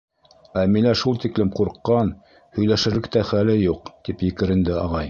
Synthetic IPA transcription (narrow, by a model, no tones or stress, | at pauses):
æmilæʃulˠt̪iklɘmquɾqːɑn | hɵ̆jlæʃɘ̆ɾlɘk̚t̪æχælɘjuqt̪ipjɘ̆kɘ̆ɾɘ̆nd̪ɘɑʁɑj